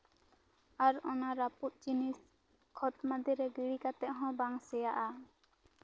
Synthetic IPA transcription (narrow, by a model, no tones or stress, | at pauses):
aɾɔnaɾaput̪̚d͡ʒinis | kʰɔt̪mad̪iɾɛɡiɽikat̪ɛʔɦɔ̃baŋsɛjaʔa